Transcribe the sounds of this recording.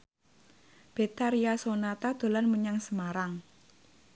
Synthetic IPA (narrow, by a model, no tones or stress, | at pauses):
b̥e̤t̪aɾiasonat̪ad̪̥o̤lanməɲaŋsəmaɾaŋ